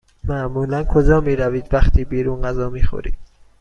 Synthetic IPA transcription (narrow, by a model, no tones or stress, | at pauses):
mæʔmuːlænkʰod͡ʒɒːmiːɾæviːd̪væxt̪ʰiːbiːɾuːnɢæzɒːmiːxo̰ɾḭːd̪̥